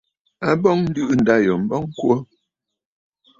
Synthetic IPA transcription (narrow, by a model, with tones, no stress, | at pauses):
a˦bɔ˦ŋn̩˦dʉ˦ʔn̩˨da˦jɔ˨m̩˦bɔ˦ŋ̩˦kwə˦